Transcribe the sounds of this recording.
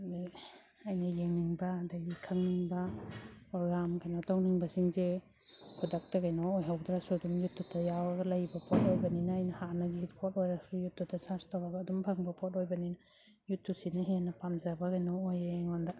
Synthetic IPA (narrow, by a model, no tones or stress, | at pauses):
ajnɐjeŋniŋbaːdaɡikʰaŋniŋbapɾɔɡɾamkʰajnɔtawniŋbasiŋze | kʰudak̚taɡajnɔːjɦawdɾasudumjutːutʰajawaɡɐlajbɐpʰɔt̚ojbaninaːjnɐhanaɡiitpʰɔtojɾasujutːudasastawaɡɐːdumpʰaŋbɐpʰɔt̚ojbanina | jutːusinaɦenːɐpamzabaɡajnɔːjeŋɔnda